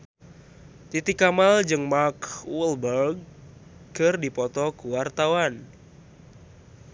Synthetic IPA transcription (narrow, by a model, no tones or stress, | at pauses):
t̪it̪ikamald͡ʒɨŋmarkwɔlbərɡ̚ | kɨrdipɔt̪ɔkuwart̪awan